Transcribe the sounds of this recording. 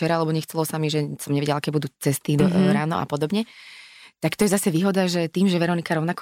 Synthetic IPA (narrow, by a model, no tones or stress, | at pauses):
t͡ʃɛɾaalɛbɔɲɛxt͡sɛlɔsamiʒɛsɔmɲɛʋiɟɛlakɛbud̪uːt͡sɛst̪id̪ɔɔɾaːnɔ̰ʔa̰pɔd̪ɔbɲɛ | t̪akt̪ɔjɛzasɛʋiːɦɔd̪aʒɛt̪iːmʒɛʋɛɾɔnikaɾɔʊnak